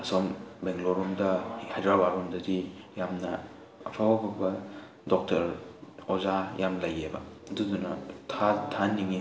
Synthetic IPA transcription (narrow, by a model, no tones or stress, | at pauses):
ɐsɔmbeŋloɾmdɐhajdɾabaɾɔmdɐdijamnɐ̰ː | pʰababʰɐbɐ | dɔk̚tʰɐɾozajamlɐjebɐ̰dudunɐ̰tʰatʰaniŋi